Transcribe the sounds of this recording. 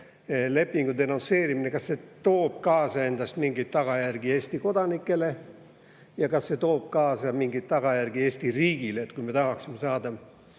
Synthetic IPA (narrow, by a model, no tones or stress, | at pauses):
le̞pːiŋɡ̥ud̪e̞nonse̞ːɾimine̞kɑsːet̪o̞ːb̥̚kɑːsɑe̞nd̪ɑst̪miŋɡit̪t̪ːɑɡ̥ɑjærɡ̥ie̞ːst̪iko̞d̪̥ɑnikˑːe̞le̞ | jɑkɑsːe̞t̪o̞ːb̥̚kɑːsɑmiŋɡit̪̚t̪ɑɡ̥ɑjærɡ̥ie̞ːsʲt̪iriːɡileet̪kujmet̪ɑɦɑksime̞sɑːd̪ɑ